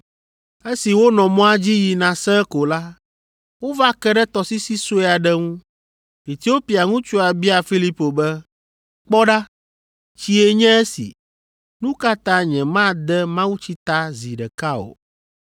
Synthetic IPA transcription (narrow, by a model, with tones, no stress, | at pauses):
e˦si˨wo˦nɔ̃˨mɔ̃˦a˦d͡ʑi˦ji˨nã˨sɛ̃˦ko˨la˦ | wo˦va˦kɛ˦ɖɛ˦t̪ɔ˨si˦si˦so˦ɛ˦a˨ɖɛ˦ŋũ˦ | e˨t̪i˦o˦pi˨a˨ŋũ˦t͡ʃu˦a˨bi˦a˨fi˦li˦po˨bɛ˦ | k͡pɔ˦ɖa˦ | t͡ɕi˦e˦ɲɛ̃˦e˦sḭ˨ | nũ˦ka˦t̪ã˦ɲɛ̃˨mã˦d̪ɛ˦mã˦wu˦t͡ɕi˦t̪a˦zi˨ɖɛ˨ka˦o̰˨